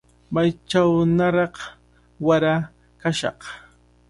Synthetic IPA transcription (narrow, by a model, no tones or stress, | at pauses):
majt͡ʃawnaɾɑq | waɾa | kaʃɑ̰q